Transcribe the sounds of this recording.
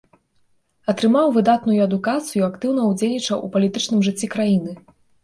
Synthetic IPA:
ɐt̪ɾɨmawvɨd̪at̪nujuɐd̪ukat̪sɨjuakt̪ɨwn̪ɐwd͡zʲelʲnʲit͡ʂɐwʔṵpɐlʲit̪ɨt͡ʂnɨmʐɨt͡sʲːikɾajinɨ

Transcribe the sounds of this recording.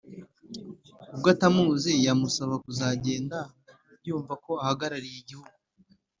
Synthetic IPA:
ubɡatamuːzijamusaβakuzaɟe̞ːnda | juːɱvako̞ahaɡaɾaɾijiɟihuɡu

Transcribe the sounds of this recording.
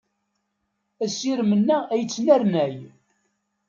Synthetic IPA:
æsiɾmənːææjət͡sːnæɾnæj

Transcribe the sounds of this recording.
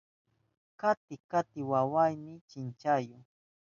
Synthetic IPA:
kat̪ɪkat̪ɪwawajmɪt͡ʃɪnt͡ʃajʊ

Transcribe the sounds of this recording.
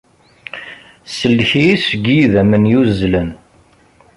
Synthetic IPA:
səlːçiisəɡiðæmənjuzːlən

